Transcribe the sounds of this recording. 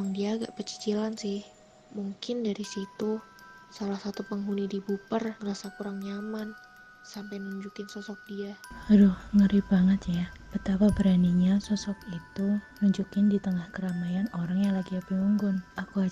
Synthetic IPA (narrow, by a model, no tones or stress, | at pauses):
maŋdiaːɡa̰ʔpərt͡ʃi̥t͡ʃilansɪh | muŋkɪndaɾisit̪u | salahsat̪upəŋɦunidibupərŋəɾasakuɾaŋɲaman | sampajmənuɲd͡ʒukɪnsɔsɔk̚diaadʊhŋəɾibaŋət̪jab̥ət̪apabəɾaniɲasɔsɔkit̪u | nuɲd͡ʒukɪndit̪əŋahkəɾamajanoɾaŋjaŋlaɡiapiŋuŋɡʊnakua